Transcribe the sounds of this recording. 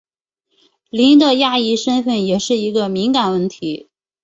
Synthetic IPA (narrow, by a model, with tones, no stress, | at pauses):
li˧˥nd̪ə˧ja˥˧i˥˩ʂə˥nfə˥˩njɛ˨˩ʂɻ̩˥˩i˧˥ɡə˧mi˧˥ŋka˨˩nwə˥˩nt̪ʰi˧˥